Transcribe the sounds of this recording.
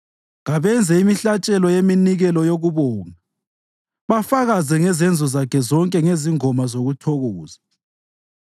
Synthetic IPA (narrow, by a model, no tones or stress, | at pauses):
ɣaβɛnd͡zʱɛimiɬat͡ʃʼɛlɔjeminiɣɛlɔjoɣuβɔːŋa | βafaɣazɛŋɛzɛnd͡zʱɔzakʰɛzɔŋkʼɛŋeziŋɔmazoɣutʰɔɣoːza